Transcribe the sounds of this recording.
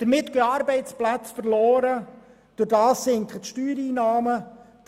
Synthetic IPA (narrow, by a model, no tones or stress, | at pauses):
d̥əɾmɪt̪ɡ̥eɑːɾbɛɪt͡splæt͡sfəɾloːɾə | d̪̥ʊɾdɑːsːɪŋkχətʃtyːɾiːnɑːmə̥